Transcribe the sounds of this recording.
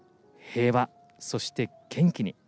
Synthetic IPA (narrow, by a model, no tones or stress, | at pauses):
he̞ːβa | so̞ɕi̥t̪e̞kẽ̞ŋkʲiɲ̟ḭ